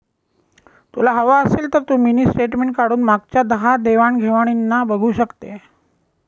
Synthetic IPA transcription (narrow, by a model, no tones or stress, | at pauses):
t̪ulaɦəʋaəseːlt̪əɾt̪uːminiːsʈeʈmeɳʈ̚kaɽuːnmaɡ̚t͡ɕjad̪əɦad̪eʋaɳɡʱeʋaɽ̃inːabəɡʱuːɕəkt̪e